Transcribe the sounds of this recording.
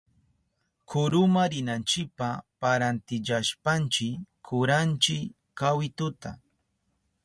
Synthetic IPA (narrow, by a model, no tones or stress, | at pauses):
kʰʊɾʊmaɾɪnant͡ʃɪk̚papaɾant̪ɪʎaʃpant͡ʃɪkʰːʊɾant͡ʃɪ | kawɪt̪ʊt̪a̰